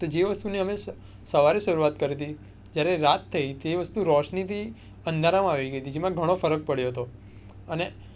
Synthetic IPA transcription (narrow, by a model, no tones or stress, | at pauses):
t̪od͡ʒeʋəst̪uneəme | səʋaɾiʃəɾuat̪kəɾit̪i | d͡ʒjaɾeɾat̪ʰːəit̪eʋəst̪uɾɔʃnit̪i | ənd̪ʱaɾamãaʋiɡəjt̪ʰid͡ʒemãɡʱəɽ̃ofəɾək̚pəɽjoɦət̪o | əne